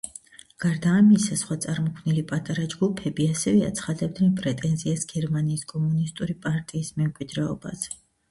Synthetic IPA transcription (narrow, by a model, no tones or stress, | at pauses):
ɡ̥aɾd̪aːmisasχwat̪sʼaɾmɔkʰmnilipʼat̪ʼaɾad͡ʒɡupʰɛbiasɛvɛa̰t̪sʰχad̪ɛb̚d̪ɛnpʼɾɛt̪ʼɛnziasɡɛɾmaniːskʼɔmunist̪ʼuɾipʼaɾt̪ʼiːsmɛmkʼwid̪ɾɛɔ̰ba̰z